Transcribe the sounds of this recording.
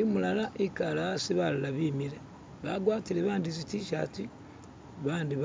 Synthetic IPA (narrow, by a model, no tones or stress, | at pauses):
imulalaʔikalasiβalulaβiːmiɾe | βaɡwaːtileβaːndizitiʃa̰ti | βaːndiβ